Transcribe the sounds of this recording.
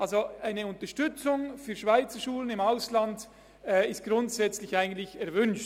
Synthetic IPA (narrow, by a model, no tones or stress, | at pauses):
ʔalzoaɪnəʊntəʃtʏt͡sʊŋfyːɐʃv̥aɪt͡səʃuːlənɪmaʊsland | ɛːɪstɡ̥ʁʊntsɛt͡slɪçaɪɡən̩tlɪçɛɐvʏnʃt